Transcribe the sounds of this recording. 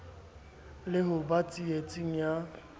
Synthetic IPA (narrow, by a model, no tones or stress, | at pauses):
lɪɦʊbat͡sʼiet͡sʼiŋ̩ja